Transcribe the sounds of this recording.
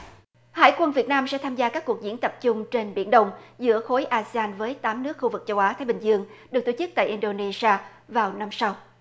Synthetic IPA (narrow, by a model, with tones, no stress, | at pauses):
ha̰ː˧˨jkwə˧nvi˨˩ət̚naː˧msɛ̰˧˥t̪ʰaː˧mzaː˧kaː˦˥k̚ːu˨˩ək̚zḭ˧˥ənt̪ə˨˩p̚t͡ɕʊ˧ŋ͡mt͡ɕe˧nɓḭ˧˩ənɗə˧wŋ͡mzɨ̰˧˥əxo˨˦jʔaː˧si˧aː˧nvəː˨˦jt̪aː˨˦mnɨ˦˥ək̚xu˧vɨ˨˩k̚t͡ɕə˧wʔaː˨˦t̪ʰaː˨˦jɓi˨˩ŋ̟zɨ˧əŋɗɨ˨˩k̚t̪o˧˩t͡ɕɨ˦˥k̚t̪a̰ː˧˨ʔi˧nɗo˧ne˧si˧aː˧ | vaː˨˩wna˧msa˧w